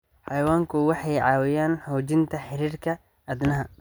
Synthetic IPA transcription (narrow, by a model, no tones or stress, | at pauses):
ħɑjɐwaːŋkʰʊwɑħɑjʕɑːwɪjaːnħɔːt͡ʃɪnt̪ʰɐħɪɾiːrkʰɐ | ɐd̪nɐɦɐ